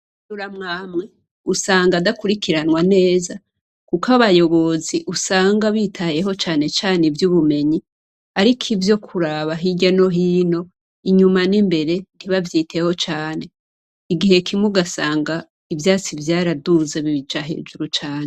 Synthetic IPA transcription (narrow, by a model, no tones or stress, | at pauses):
duɾamŋaːmŋe̞ | usaːŋɡadakuɾikiɾanwane̞ːza | kukaβajo̞βo̞ziʔusaːŋɡaβitʰaje̞ɦo̞t͡ʃaːne̞t͡ʃaːnevjuːβume̞ɲi | aɾikʰivjo̞kʰuɾaβaɦiɟano̞ɦiːno̞ | iɲumanimbe̞ɾe̞n̥iβavjiːtʰe̞ho̞t͡ʃaːne̞ | iɡihe̞kʰimuɡasaːŋɡa | ivjaːt͡sivjaːɾaduze̞βiβid͡ʒaɦe̞̰ːʒuɾut͡ʃaːɲe